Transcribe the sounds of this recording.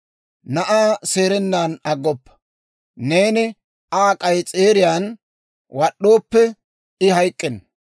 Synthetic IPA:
nɐʔaːse̞ːɾɛnːaːnɐɡːɔpːɐ̥ | ne̞ːnɪ | aːkʼɐjt͡sʼe̞ːɾɪjaːn | wɐɗːo̞ːpːɛ | ɪhɐjkʼːɪn

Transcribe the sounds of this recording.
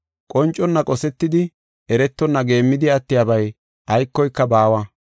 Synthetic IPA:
kʼɔnt͡ʃʼːɔnːɐkʼɔsɛt̪ːɪd̪ɪ | ʔɛɾɛt̪ːɔnːɐɡe̞ːmːɪd̪ɪɐt̪ːɪjaːbɐj | ʔɐjkːɔjkːɐbaːwɐ

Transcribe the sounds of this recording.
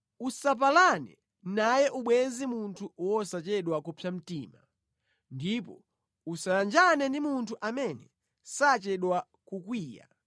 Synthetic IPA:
usap̬alanɛ̰ | najɛʔuɓwɛzimuntʰuwɔsat͡ʃɛɗwakupʰam̩tiːma | ndipɔ | usajand͡ʒanɛndimuntʰuʔamɛnɛ | sat͡ʃɛɗwa | kukwiːja̰

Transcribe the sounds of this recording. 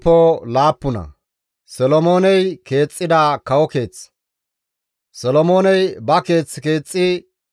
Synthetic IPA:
pːɔlaːpːʊnɐ̰ | sɔlɔmo̞ːnɛjke̞ːt͡sʼːɪd̪aːkɐwɔke̞ːt͡sː | sɔlɔmo̞ːnɛjbɐke̞ːt͡sːke̞ːt͡sʼːɪ

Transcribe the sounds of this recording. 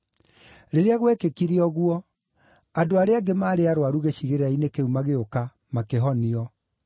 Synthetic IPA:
ɾeɾeaɣwɛkekiɾiɔɣwɔ | adoaɾeaɡemaːɾeaɾowaɾuɣeɕiɣeɾainekeumaɣeoka | makeɦɔniɔ

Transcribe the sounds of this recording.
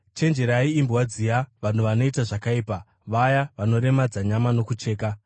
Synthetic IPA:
t͡ʃe̞nd͡ʒe̞ɾaiːmbwad͡zijaʋan̤uʋano̞itaʐakaiːpa | ʋajaʋano̞ɾe̞mad͡zaɲamano̞kut͡ʃe̞ːka

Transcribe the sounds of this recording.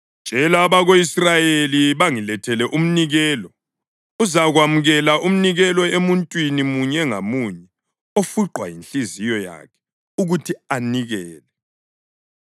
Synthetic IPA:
nd͡ʒ̥ʼʱɛlaβaɣoisrajeliβaŋilɛtʰɛlɛʔum̩niɣɛːlɔ | uzaɣwamuɣɛlaʔum̩niɣɛlɔemuntʼwinimuɲɛŋamuɲɛ | ofuǃwa̰jinɬizijɔja̰kʰɛ̥ | uɣutʰianiɣɛːlɛ

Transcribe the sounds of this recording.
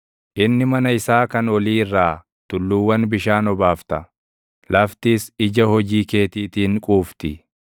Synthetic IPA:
ʔɪnːɪmɐnɐɪsaːkɐnɔliːɪrːaː | t̪ʊlːuːwːɐnbɪʃaːnɔbaːft̪ɐ | lɐft̪iːsɪd͡ʒɐhɔd͡ʒiːke̞ːt̪iːt̪iːŋkʼuːft̪ɪ

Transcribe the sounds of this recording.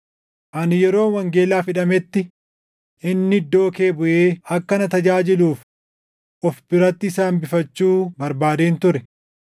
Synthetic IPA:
ʔɐnjɛɾo̞ːnwɐŋɡe̞ːlaːfɪᶑɐmɛt̪ːɪ | ʔɪnːɪɪd̪ːo̞ːke̞ːbʊʔeːɐkːɐnɐt̪ɐd͡ʒaːd͡ʒɪluːf | ʔɔfbɪɾɐt̪ːɪːsaːnbɪfɐt͡ʃːuːbɐɾbaːd̪eːnt̪ʊɾɛ

